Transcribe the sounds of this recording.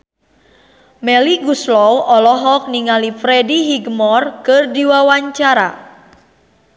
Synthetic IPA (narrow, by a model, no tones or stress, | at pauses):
mɛliɡuslɔwɔlɔɦɔk̚niŋalifɾɛdiɦiɡmɔrkɨrdiwawaɲt͡ʃaɾa̰